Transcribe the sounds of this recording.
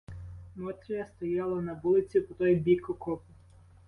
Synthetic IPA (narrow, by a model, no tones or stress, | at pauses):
mɔt̪ʲɾʲijɐst̪ɔjɑlˠɐnɐʋulˠɪt͡sʲipɔt̪ɔjbʲikʊkɔpʊ